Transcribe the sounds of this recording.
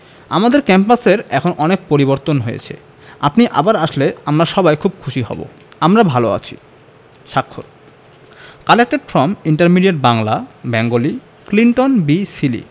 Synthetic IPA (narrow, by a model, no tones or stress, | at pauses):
amad̪eɾkɛmpaseɾɛkʰonʔɔnek̚poɾiboɾt̪onɦojḛt͡ɕʰḛ | apniʔabaɾaʃleamɾaʃɔbajkʰub̚kʰuʃiɦɔ̰bo̰ | amɾabʱaloa̰t͡ɕʰi̥̰ | ʃakʰːo̰ɾ | kalek̚ʈafɾɔmiɳʈaɾmiɖiaʈ̚baŋlabɛŋɡoli | kliɳʈonbisilḭ